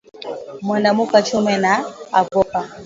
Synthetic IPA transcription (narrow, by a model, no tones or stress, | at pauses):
mwandamukat͡ʃumɛnaavɔpa